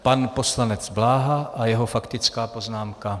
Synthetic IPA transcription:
panposlanɛd͡zblaːɦaʔajɛɦofakt̪ɪt͡skaːpo̞znaːmka

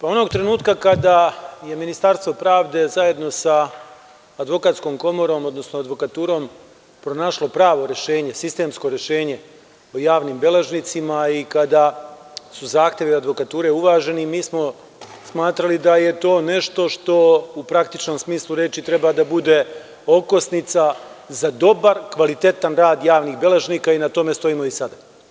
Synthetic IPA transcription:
pao̞no̞ɡ̚t̪ɾe̞nuːt̪kakad̪aje̞minist̪aɾst̪ʋo̞pɾaːʋd̪e̞zaje̞d̪no̞saː | d̪ʋo̞kat̪sko̞ːmko̞mo̞ɾo̞ːmo̞d̪nosnoad̪ʋo̞kat̪uːɾo̞ːm | pɾonaʃlo̞pɾaːʋo̞ɾe̞ʃe̞ːɲe̞sist̪e̞msko̞ɾe̞ʃe̞ːɲe̞ | ojaːʋniːmbe̞leʒnit̪simaikad̪asuzaːxt̪je̞ʋiad̪ʋo̞kat̪uːɾe̞uʋaːʒe̞nimiːsmo̞ | smaːt̪ɾalid̪aje̞t̪o̞ːne̞ʃt̪o̞ʃt̪o̞upɾakt̪it͡ʃno̞msmiːslˠuɾe̞t͡ʃit̪ɾe̞bad̪abud̪e̞ | o̞ko̞snit̪sa | zad̪o̞baɾkʋalit̪e̞t̪anɾaːd̪jaːʋniɣbe̞leʒniːkainat̪o̞me̞st̪o̞iːmo̞isad̪a

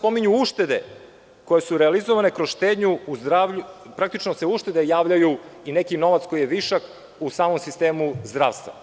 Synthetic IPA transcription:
po̞miɲuuʃt̪e̞d̪e | ko̞jesuɾealizoʋane̞kɾosʃt̪eːd̪ɲuuzd̪ɾaːʋʎupɾak̚t̪it͡ʃnoseuʃt̪e̞d̪ejaːʋʎajuine̞kino̞ʋat̪sko̞jijeʋiʃak | usaːmomsist̪eːmuzd̪ɾa̰ːʋst̪va̰

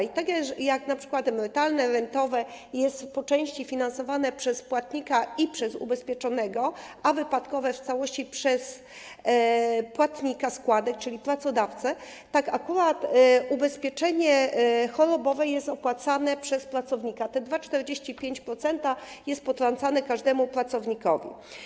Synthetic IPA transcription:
it̪akjajaknapʂɘ̥kwat̪mɛt̪alnɛɾɛnt̪ɔvɛjɛst̪pɔt͡ʂɛ̃w̃ɕt͡ɕifʲinansɔvanɛpʂɛspwat̪ɲikaipʂɛzṵbɛspʲjɛt͡ʂɔnɛɡɔavɘpat̪kɔvɛft̪sawɔɕt͡ɕipʂɛs | pwat̪ɲikaskwad̪ɛk̚t͡ʂɘlʲipɾat̪sɔd̪aft̪sɛ | t̪akakuɾat̪ubɛspʲjeɛt͡ʂɛɲɛxɔɾɔbɔvɛjɛst̪ɔpwat̪sanɛpʂɛspɾat̪sɔvɲikat̪ɛd̪vat͡ʂt̪ɛɾd͡ʑeɕt͡ɕipʲjeɲt͡ɕpɾɔt̪sɛnt̪ajɛst̪̚pɔt̪ɾant̪sanɛkaʐd̪ɛmupɾat̪sɔvɲikɔvʲḭ

